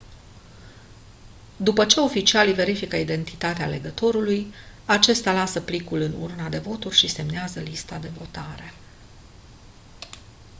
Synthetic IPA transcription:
d̪upət͡ʃe̞o̞fit͡ʃialjve̞ɾifikəid̪e̞nt̪i̥t̪at̪ea̰le̞ɡət̪o̞ɾuluj | at͡ʃe̞st̪ʲalasəplikulɨnṵrnad̪e̞vo̞t̪urʲʃise̞mneazəlist̪ad̪e̞vo̞t̪aɾe̞

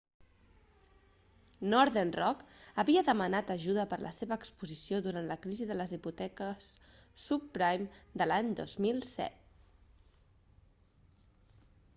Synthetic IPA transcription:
nɔɾðenrɔkəβiəðəmənat̪əʒuðəpəɾlʔə̰seβəːkspuzisioðuɾant̪ləkɾiziðələziput̪ɛkəs | supːɾajmd̪əlaɲd̪o̰zmilˠsɛ̰t̪̚

